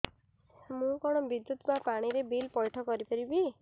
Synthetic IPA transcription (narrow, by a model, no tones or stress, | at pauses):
mũkɔɽ̃ɔbid̪jut̪mapaɽ̃iɾebilpɔjʈʰɔkɔɾipɔɾibi